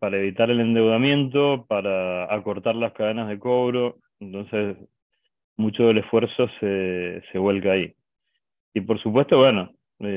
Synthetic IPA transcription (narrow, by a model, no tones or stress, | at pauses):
paɾae̞βit̪aɾe̞le̞nd̪e̞wðamjẽ̞nt̪o̞paɾaːko̞ɾt̪aɾlaskaðe̞naɦðeko̞βɾo̞ | ent̪o̞nses | mut͡ʃo̞ðe̞lehfweɾso̞sese̞βwe̞lkaai | ipo̞ɾsupwe̞st̪o̞βwe̞no̞ | e